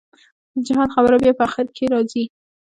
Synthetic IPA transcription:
d̪əd͡ʒaɦɑnxabəɾabjɑpəaxɪɾkʰeɾɑzi

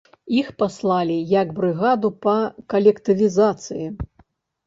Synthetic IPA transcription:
ixpaslˠalʲijɐɡbɾɨɣad̪upɐkɐlʲɛkt̪ɨvʲizat̪sɨji

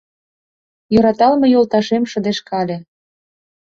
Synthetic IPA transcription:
jø̆ɾɑt̪ɑlmɤ̆jolˠt̪ɑʃemʃə̆d̪eʃkɑlʲĕ

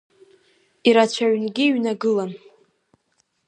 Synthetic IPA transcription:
iɾat͡ɕʷʰaɥnɡʲiːɥnaɡɨlan

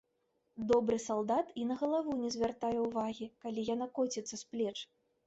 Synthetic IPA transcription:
d̪ɔbɾɨsalˠd̪at̪inɐɣɐlˠavunʲɛzʲvʲart̪ajɛwvaɣʲikalʲijan̪akɔt͡sʲɛt̪sːɐsplʲɛt͡ʂ

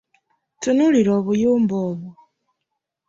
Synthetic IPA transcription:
tunuliɾoβujuːmboːβu

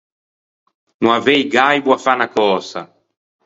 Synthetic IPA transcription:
nũavɛjɡajbwafanakɔːsa̰

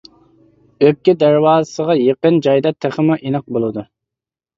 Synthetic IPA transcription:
økʲːid̪æɾwɑːzəsəʁɑjeqənd͡ʒɑjd̪ɑt̪ʰæχəmuʔinɑq̚bolˠɨd̪u

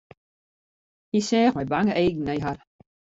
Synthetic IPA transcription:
hisɛːχmɛbaŋəʔeːɡn̩ɛjɦar

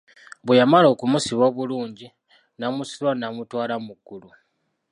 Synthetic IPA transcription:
βujamalo̞ːkumusiβo̞ːβuluːɲɟi | namusiβwanamutwaːlamuɡːulu

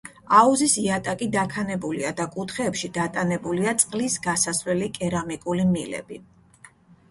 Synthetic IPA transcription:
auzisiat̪ʼakʼid̪akʰanɛbulḭad̪akʼut̪ʰχɛːpʃid̪̥at̪ʼanɛbuliat̪sʼqʼlisɡasasvlɛlikʼɛɾamikʼulimilɛ̰bi

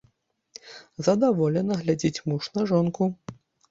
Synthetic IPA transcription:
zɐd̪avɔlʲɛnɐɣlʲad͡zʲit͡sʲmuʂnɐʐɔnku

